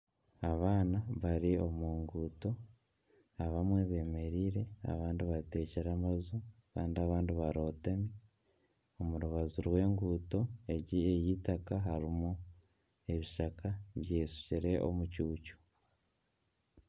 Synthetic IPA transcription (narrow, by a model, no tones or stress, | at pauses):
aβaːnaβaɾio̞muːŋɡuːto̞ | aβamweβe̞ːme̞ɾiːɾe̞a̰βaːndiβate̞ːceɾamazukaːndiaβaːndiβaɾo̞ːtemi | o̞muɾuβazuɾwe̞ːŋɡuːto̞e̞ɟiejitakaɦaɾimu | e̞βiʃakʰaβjeːsu̥ciɾe̞ʔo̰mucuːcu̥